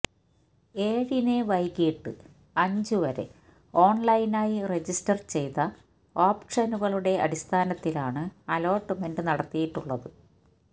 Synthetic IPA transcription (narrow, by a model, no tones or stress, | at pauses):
e̞ːɻine̞ʋɐjkːiiʈːɨ̰ | ɐɲd͡ʑuʋɐɾe̞̰ | o̞ːɳlɐjinaːjire̞d͡ʑistɐrt͡ɕe̞jt̪ɐ | oːpʂɐnuɣɐɭuɽe̞ɐ̰ɽist̪ʰaːnɐt̪ːilaːɳɨɐlo̞ːʈːɨme̞nɖɨnɐɽɐt̪ːijiʈːuɭːɐðɨ